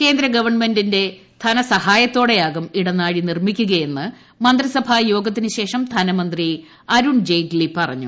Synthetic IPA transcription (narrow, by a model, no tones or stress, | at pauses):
ke̞ːnd̪ɾɐɡɐʋɐrɳmendinde̞t̪ʰɐnɐsɐhaːjɐt̪ːo̞ːɽejaːɣɐmiɽɐnaːɻinirmikʲːuɣɐje̞nːɨ | mɐnd̪rɐsɐbʱaːjo̞ːɡɐt̪̬ːinɨɕe̞ːʂɐmd̪ʰʱɐnɐmɐnd̪ri | ɐɾuɳd͡ʑejɡlipɐrɐ̰ɲːṵ